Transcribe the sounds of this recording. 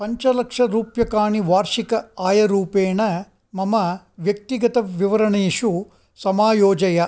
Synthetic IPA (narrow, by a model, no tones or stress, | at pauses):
pɐɲt͡ʃɐlɐkʂɐɾuːpjɐkaːɳiʋaːɾʂikɐaːjɐɾuːpeːɳɐ | mɐmɐ | ʋjɐk̚t̪iɡɐt̪ɐʋiʋɐɾɐɳeːʂu | sɐmaːjoːd͡ʒɐjɐ